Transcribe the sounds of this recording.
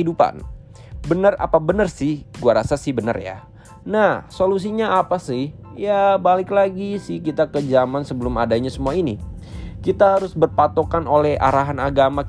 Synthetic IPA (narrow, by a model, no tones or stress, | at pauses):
idupa̰n | bənəra̰pabənərsɪhɡuaɾasasɪhbənə̰rja̰ | nahsolus̬iɲaːpasɪh | jabalɪklaɡisɪhkit̪akəd͡ʒamansəbəlʊmadaɲasəmuainikit̪aɦaɾʊsbərpat̪okanolɛha̰ɾaɦanaɡama